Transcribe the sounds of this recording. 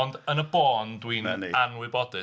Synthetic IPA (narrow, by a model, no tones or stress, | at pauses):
ɔndənəbɔːndwinanwɪbɔdɨ